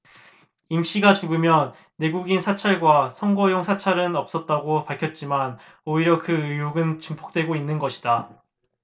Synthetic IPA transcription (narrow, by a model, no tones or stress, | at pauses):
imɕ͈iɡat͡ɕuɡɯmjʌnː | e̞ɡuɡinsʰat͡ɕʰaɭɡwasʰʌŋɡʌjoŋsʰat͡ɕʰaɾɯnʌp̚s͈ʌt̚t͈aɡopaɭkʰjʌt̚t͡ɕ͈iman | oiɾjʌkɯɯuɡɯnt͡ɕɯmpʰo̥k̚t͈we̞ɡoinːɯnɡʌɕʰi̥da